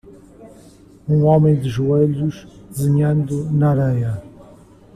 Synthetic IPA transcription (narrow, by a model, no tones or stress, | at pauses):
ũɔmẽj̃d̪ɨʒueʎuʃd̪ɨzɨɲɐ̃nd̪unaɾɛjɐ